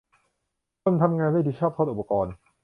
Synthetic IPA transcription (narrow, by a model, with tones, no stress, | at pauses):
o˧˨nt̪ʰa˧mŋaː˧nʰa˥˩t̪ʰiː˧˥˩t͡ɕʰɔː˥˩p̚t̪ʰo˦˥t̪ʔu˨˩pːa˧kɔː˧n